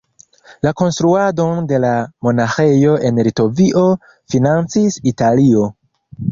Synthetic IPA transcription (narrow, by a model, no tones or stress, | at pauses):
lako̞nstɾuado̞nde̞lamo̞naxe̞jo̞e̞nlito̞viʔo̞ | finant͡sisitalio̞